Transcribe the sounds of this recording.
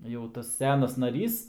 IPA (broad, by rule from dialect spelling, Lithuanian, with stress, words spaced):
jɛʊ ˈtɐs ˈsʲæːnɐs nɐˈrʲiːs